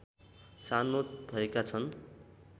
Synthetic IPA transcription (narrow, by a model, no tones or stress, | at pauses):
sanobʱʌekat͡sʰʌn